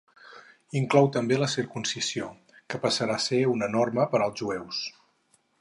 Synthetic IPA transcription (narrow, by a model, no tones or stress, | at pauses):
iŋklɔwt̪əmbeləsirkunsizio | kəpəsəɾaseunənorməpəɾəlˠzʒuɛws